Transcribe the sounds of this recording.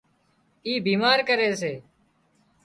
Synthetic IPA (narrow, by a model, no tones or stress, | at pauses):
iːbiːmaːɾkəɾeːseː